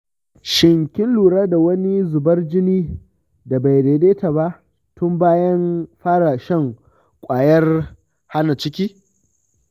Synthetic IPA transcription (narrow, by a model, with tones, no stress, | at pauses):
ʃɪ˨ŋkʲɪ˦nluː˨ɽaː˦da˨wɐ˦ni˦zʊ˨bɐ˦rd͡ʒɪ˦niː˦ | da˨ba˨jɾeː˨deː˦ta˨ba˦ʔ | tʊ˦mbaː˦jɐ˦nɸaː˦ɽa˨ʃɛ˦˨ŋ | kʷʼaː˨jɐ˦r | ha˦na˨t͡ʃɪ˦kʲiː˦